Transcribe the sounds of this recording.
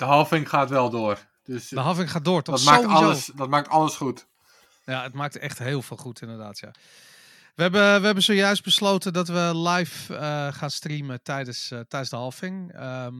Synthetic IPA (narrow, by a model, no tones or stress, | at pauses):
d̥əɦɔlˠfɪŋχaːtʋɛlˠdoər | d̥øsdəɦɔfɪŋχaːt̚doːərtɔaoɔləsdɔt̚maːk̚tɔləsχut | jaətmaːk̚tɛxtɦeːlˠfɪːlˠχutɪndərdaːtja̰ | ʋəɛbəʋəɦɛbənsoːjœɥst̚bəsloːtədɔtʋəlɛjfəχaːnstrimətɛjdəstɛjdnszdəɦɔlˠfɪŋə